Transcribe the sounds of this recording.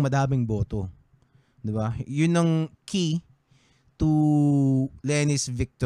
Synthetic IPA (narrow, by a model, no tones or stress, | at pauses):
mɐd̪aːmɪŋbo̞ːt̪o̰ | d̪ɪbajʊnːɐŋkʰi | t̪u | lɛnɪsvɪk̚t̪o